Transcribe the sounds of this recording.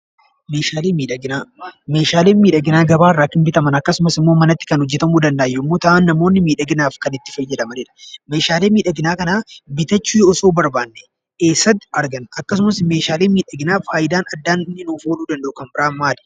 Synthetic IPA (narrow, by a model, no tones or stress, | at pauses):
meːʃaːleːmiːᶑɐɡɪnaːmeːʃaːle̞ːnmiːᶑɐɡɪnaːɡɐbaːrːaːkːɪnbɪt̪ɐmɐnɐkːɐsʊmɐsɪmːoːmɐnɐt̪ːɪ̥kɐnhɔd͡ʒːɛt̪ɐmuːd̪ɐnd̪ɐʔːjːɛɪmːo̞ːt̪ɐʔanːɐmo̞ːnːɪmiːᶑɐɡɪnaːfkɐnɪt̪ːɪ̥fɐjːɛd̪ɐmɐnɪᶑɐ̥me̞ːʃaːle̞ːmiːᶑɐɡɪnaːkɐnaːbɪt̪ɐt͡ʃːuːjɔɔso̞ːbɐɾbaːnːɛ̥ | keːsːɐt̪ːɪɐɾɡɐnɐkːɐs̬ʊmɐsme̞ːʃaːle̞ːmiːᶑɐɡɪnaːfaːjɪd̪aːnɐd̪ːaːnnɪnoːfoːluːd̪ɐnd̪ɐʔʊukɐnbɪɾaːmaːlɪ̥